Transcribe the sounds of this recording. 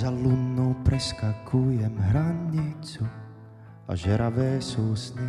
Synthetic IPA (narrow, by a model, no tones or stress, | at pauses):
zalunːowpɾɛskakʰujɛmɦɾaɲit͡su | ʔa̰ʒɛɾʔavɛːsowsɲi